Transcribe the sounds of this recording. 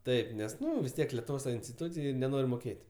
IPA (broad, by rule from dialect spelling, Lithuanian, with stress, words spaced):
ˈtɐɪp ˈnʲɛs ˈnʊ ʋʲɪs ˈtʲiɛk lʲɛtʊʋˈoːs tɐ ɪnʲsʲtʲɪˈtuːt͡sʲɪj nʲɛˈnoːrʲ moːˈkʲeːtʲ